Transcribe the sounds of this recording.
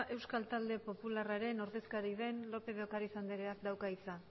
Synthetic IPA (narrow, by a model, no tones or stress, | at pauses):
ʔe̞wskalt̪ald̪e̞po̞pularaɾe̞no̞ɾðe̞skaɾið̞e̞nlo̞pe̞ðeokaɾisand̪eɾeakd̪awkaisa